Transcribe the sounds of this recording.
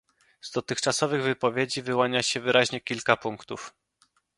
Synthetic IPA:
z̥d̪ɔt̪ɘxt͡ʂasɔvɘɣvɘpɔvʲjed͡ʑivɘwaɲaɕɛvɘɾʔaʑɲɛkʲilkapuŋkt̪uf

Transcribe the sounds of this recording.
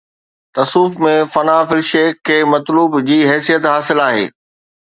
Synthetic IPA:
t̪ɐsuːfmẽfɐnaːfɪlʃeːkʰːeːmɐt̪luːbd͡ʑiːɦɛːsijət̪ɦaːsɪlaːɦḛː

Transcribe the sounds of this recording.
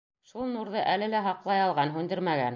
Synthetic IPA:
ʃulˠnuɾðɤʔælɘlæɦɑqlˠɑjɑlˠʁɑnɦʉnd̪ɘɾmæɡæ̰n

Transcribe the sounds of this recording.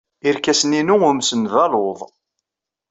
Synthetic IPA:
iɾkæsəninuʊmsənðɑloðˤ

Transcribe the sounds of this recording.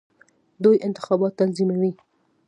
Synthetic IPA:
d̪ujʔɪnt̪ɪ̥xɑbɑt̪ːalzimawi

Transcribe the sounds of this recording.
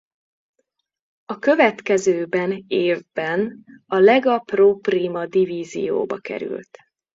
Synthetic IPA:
ɒkø̞vɛt̪kɛzøːbɛneːvbɛnɒlɛɡɒproːpriːmɒd̪iviːzḭjo̰ːbɒ̰kɛ̰ɾy̰lt̪

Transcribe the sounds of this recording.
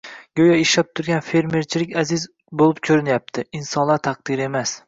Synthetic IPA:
ɡʲojaɪʃlap̚t̪ʰʊɾɡʲanfe̞ɾme̞ɾt͡ʃʰɪlɪkʲazɪz | bolˠɪpkʲʰɵɾɪnjap̚t̪ʰɪinsɒnlˠaɾt̪ʰɑq̚d̪ɪɾe̞mas

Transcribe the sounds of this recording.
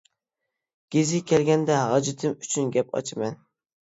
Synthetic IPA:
ɡ̥ʲezɪkʲɛlɡʲɛnd̪ɛɦɑd͡ʒɪt̪ʰɨmyt͡ʃʰynɡʲɛpʰɑ̰t͡ʃʰɪmɛn

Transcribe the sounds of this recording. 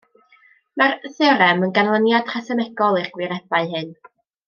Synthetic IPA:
marθɛɾɛmənɡanlˠənjad̥χasɛmɛɡɔlˠirɡ̥wɪɾɛbaɨɦɨn

